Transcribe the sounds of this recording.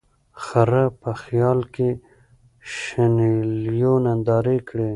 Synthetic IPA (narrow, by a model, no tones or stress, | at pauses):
xaɾapəxjɑlke | ʃaneljonand̪ɑːɾekɽe